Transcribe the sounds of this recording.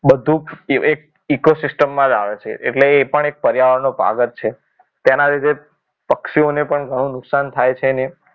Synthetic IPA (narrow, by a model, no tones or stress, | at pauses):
bəd̪ʱũek̚ | ikosɪsʈəmːãd͡ʒaʋet͡ʃʰḛʔḛʈleːpəɳek̚pəɾjaʋəɾnopa̰ɡət̪̚t͡ʃʰe | t̪janaɾid̪e | pəkʃionepəɳɡʱəɽ̃ũnʊksant̪ʰajt͡ʃʰene